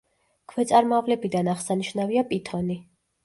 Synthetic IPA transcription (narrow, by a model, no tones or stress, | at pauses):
kʰvɛt̪sʼaɾmɔavlɛbid̪anaʁsaniʃnaviapʼit̪ʰɔni